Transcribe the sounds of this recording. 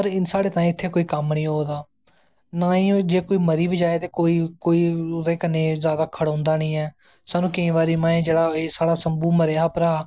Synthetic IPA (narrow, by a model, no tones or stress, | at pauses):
pəɾɪnsaːɽeːt̪ãːĩːɪt̪ʰːeːkoːiːkəmnĩːɦoːd̪aː | naːĩːd͡ʒeːkoːiːməɾiːʋɪd͡ʒaːeːt̪eːkoːiːkoːiːd̪eːkəneːzjaːd̪aːkʰəɽãːnd̪aːnĩːɛː | saːnũːkɪĩːʋaːɾiːmãːẽːd͡ʒeːɽaːeːsaːɽaːsəmbuːməɾeːaːpəɾaː